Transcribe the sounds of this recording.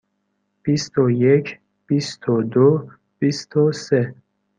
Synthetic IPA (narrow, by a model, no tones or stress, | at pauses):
b̥ist̪ʰojekʰ | b̥ist̪ʰod̪o | b̥ist̪ʰose